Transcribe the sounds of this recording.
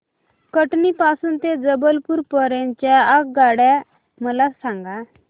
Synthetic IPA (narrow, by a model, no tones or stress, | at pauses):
kəʈnipasuːnt̪ed͡zəbəlpuːɾpəɾeɲt͡ɕjaak̚ɡaɽa | məlasãŋɡa